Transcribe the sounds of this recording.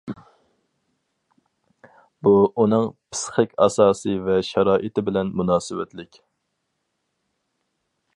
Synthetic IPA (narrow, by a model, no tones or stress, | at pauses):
buunɨŋpʰɪ̥sχɪkʲɑ̰sɑːsɨvɛʃɑɾɑːʔɨt̪ɪbɪlɛnmunɑːsɨwɛt̪ʰlɪkʲ